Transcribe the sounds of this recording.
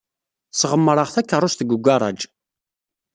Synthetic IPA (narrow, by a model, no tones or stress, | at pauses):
sʁəmːəɾˤəʁθækːərˤːʊʃt̪əɡʷuɡʷaɾˤɑ̰d͡ʒ